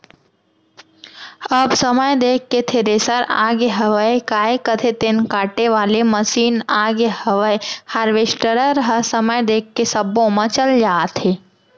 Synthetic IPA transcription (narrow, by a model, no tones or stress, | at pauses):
əbsəməjd̪eːkːet̪ʰeɾesəɾa̰ːɡeɦɐʋəekaːekət̪ʰet̪enkaːʈeʋaːleməsiːnaːɡehəʋəehaːɾʋeːsʈəɾəɾəɦəsəməjd̪eːkːesəbõmə̃t͡ʃəld͡ʒaːt̪ʰɦeː